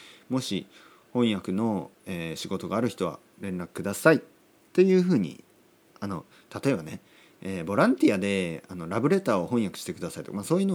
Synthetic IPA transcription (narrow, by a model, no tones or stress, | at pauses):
mo̞ɕi | hõ̞ɰ̃jakɯ̟no̞ | eːɕiɡo̞t̪o̞ɡaːɾɯ̟çi̥t̪o̞βa̰ | ɾẽ̞nɾakɯ̟̥kɯ̟d̪asai | t̪ːe̞jɯ̟ːɸɯ̟ːɲ̟ḭ | ano̞ | t̪at̪o̞e̞bane | eːbo̞ɾãnt̪ʲiad̪e̞ano̞ɾabɯ̟ɾe̞t̪aːo̞hõ̞ɰ̃jakɯ̟̥ɕi̥t̪e̞kɯ̟d̪asai̥t̪okamaːso̞ːjɯ̟no